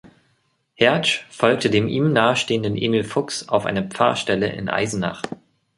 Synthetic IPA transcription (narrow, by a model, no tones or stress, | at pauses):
hɛɐʃfɔlk̚tʰədeːmʔiːmnaːəʃteːəndənʔḛːmilfʊksa̰ʊfʔa̰ɪnəpp͡fa̰ɐʃtɛlə̰ʔɪ̰nʔa̰ɪzn̩na̰χt